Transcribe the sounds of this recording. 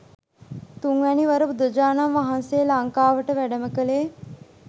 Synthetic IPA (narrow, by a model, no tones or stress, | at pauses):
t̪uŋʋæniʋɐɾəbud̪əd͡ʒaːnamʋaɦanseːlaŋkaːʋəʈəʋæɖəməkəleː